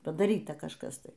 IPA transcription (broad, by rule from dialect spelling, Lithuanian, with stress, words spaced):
pɐdɐˈrʲiːtɐ kɐʃˈkɐs ˈtɐɪ